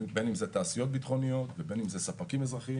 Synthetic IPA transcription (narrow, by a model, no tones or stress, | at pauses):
be̞nimzet̪aːsijo̞t̪̚bit̪χo̞nijo̞t̪vebe̞nimzesapakimezʁaχi